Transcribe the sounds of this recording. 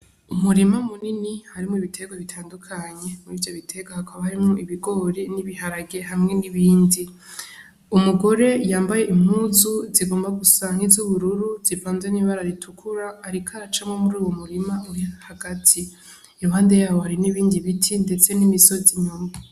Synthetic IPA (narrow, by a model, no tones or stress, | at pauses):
umuɾimamuninihaɾimoiβitʰe̞ɡoβitʰaːndukʰaɲe̞muɾiːvjo̞βitʰe̞ɡahakʰaβahaɾimŋoʔiβiɡo̞ɾeniβihaɾaɡe̞ɦamŋe̞niβiːndi | umuɡo̞ɾe̞jaːmbaje̞ʔim̥huːzuziɡo̞ːmbaɡusaŋ̥hizuβuɾuɾuzifaːnzeniβaɾaɾitʰukʰuɾaːɾikʰaɾat͡ʃamŋomuɾuːwomuɾimauɾihahaɡatʰi | aβaːndijaːβohaɾiniβiːndiβitʰinde̞t͡se̞nimiso̞ziɲoma